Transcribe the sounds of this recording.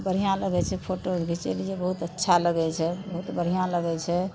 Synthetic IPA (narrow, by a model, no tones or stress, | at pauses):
bəɾ̤ijãləɡɛt͡ʃʰɛpʰoʈobit͡ʃɛ̰lijebəɦut̪ətːʃʰaləɡɛt͡ʃʰɛbəɦut̪bəɽ̤ijãləɡɛt͡ʃʰɛ